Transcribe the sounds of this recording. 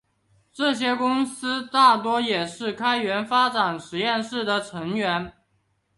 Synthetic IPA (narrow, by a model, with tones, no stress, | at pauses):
ʈ͡ʂɤ˥˩ɕ̬jɛ˥kʊ˥ŋsɹ̩˥t̪a˥˩t̪wɔ˥jɛ˨˩ʂɻ̩˥˩kʰa˥ɪɥɛ˧˥nfa˥ʈ͡ʂa˨˩nʂɻ̩˧˥jɛ˥˧nʂɻ̩˥˩d̪ə˩ʈ͡ʂʰɤ˧˥ŋɥɛ˧˥n